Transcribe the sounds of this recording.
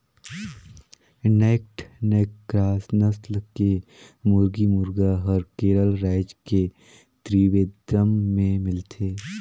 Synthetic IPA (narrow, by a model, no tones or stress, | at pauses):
neːk̚ʈneːkkɾaːsnəslke | mʊɾɡimʊɾɡaɦɔɾkeːɾəlɾaːɪd͡ʒke | t̪ɾiːʋeːd̪əmːẽmɪlt̪ʰeː